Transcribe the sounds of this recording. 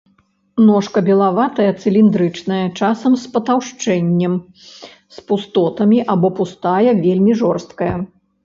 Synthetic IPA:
nɔʂkɐbʲɛlˠavat̪ɐjɐt̪sɨlʲind̪ɾɨt͡ʂnɐjɐt͡ʂasɐmspɐt̪awʂt͡ʂɛnʲːɛm | spust̪ɔt̪ɐmʲiʔabɔpust̪ajɐvʲelʲmʲiʐɔrst̪̚kɐjɐ

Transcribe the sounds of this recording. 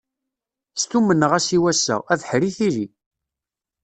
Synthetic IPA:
st̪umənːəʁæsiwæsːə̰ʁæðħɾiθiɾi

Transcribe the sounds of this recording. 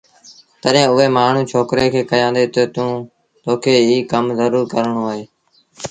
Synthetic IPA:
t̪əɗẽːʊɦeːmaːɳ̤ũːt͡ʃʰoːkɾeːkʰeːkəjãːnd̪eːt̪oːt̪ũː | t̪oːkʰeːɦiːkəmzəɾuːɾkəɾɳõːaːɦeː

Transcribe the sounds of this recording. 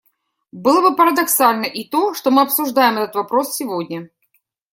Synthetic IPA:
bɨlˠəbɨpəɾəd̪ɐksalʲnəʔit̪o̞ʂt̪omɨɐpsʊʐd̪ajɪmɛt̪ət̪vɐpɾo̞ssʲɪvodʲnʲə

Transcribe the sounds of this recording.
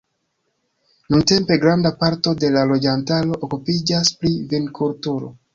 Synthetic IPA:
nunte̞mpe̞ɡɾandapaɾto̞de̞lalo̞d͡ʒantalo̞ʔokupid͡ʒasplivinkʰultuɾo̰

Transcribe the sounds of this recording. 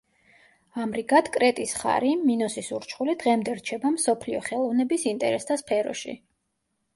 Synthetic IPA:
amɾiɡat̪ʰkʼɾɛt̪ʼisχa̰ɾiminɔsisuɾt͡ʃʰχulid̪̥ʁɛmd̪ɛɾt͡ʃʰɛbamsɔpʰliɔχɛlˠɔvnɛbisint̪ʼɛ̰ɾɛst̪ʰaspʰɛɾɔ̰ʃḭ

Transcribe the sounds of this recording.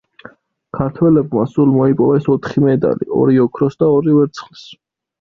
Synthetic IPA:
kʰaɾt̪ʰwɛlɛbmasulmɔipʼɔvɛsɔt̪ʰχimɛd̪a̰lḭɔ̰ɾiɔkʰɾɔsd̪aɔɾivɛɾt̪sʰχlis

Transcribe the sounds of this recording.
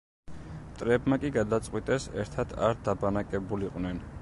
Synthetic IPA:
mt̪ʼɾɛbmakʼiɡad̪at̪sʼqʼwit̪ʼɛsɛ̰ɾt̪ʰad̪ʰa̰ɾd̪abanakʼɛbuliqʼwnɛn

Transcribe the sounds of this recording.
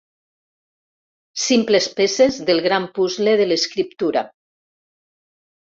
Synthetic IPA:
simplespesezðelˠɣɾampuzleðeleskɾip̚t̪uɾa

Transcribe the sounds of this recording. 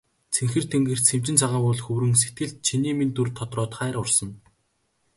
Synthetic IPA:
t͡sʰeŋxɘ̆r̥t̪ʰeŋɡɘ̆r̥t͡sʰem̥t͡ɕɪ̆nt͡sʰaʁaːpʊɮxɵwɾɘ̆ŋs̬et̪̚ɡɘ̆ɮt̪̚t͡ɕʰiniːmint̪urt̪ʰːɔt̪rɔːt̪χæːɾʊrsɞ̆n

